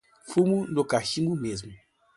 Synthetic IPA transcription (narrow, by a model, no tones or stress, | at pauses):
fumunokaʃimumezmu